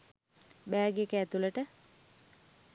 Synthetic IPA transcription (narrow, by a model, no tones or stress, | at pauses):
bæːɡekəæt̪uləʈə